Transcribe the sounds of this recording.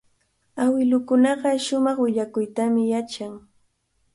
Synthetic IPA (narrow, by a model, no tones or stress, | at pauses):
awɪlʊkʊnɑɢɑʃʊmɑχwɪʎakʊjt̪amɪjat͡ʃaŋ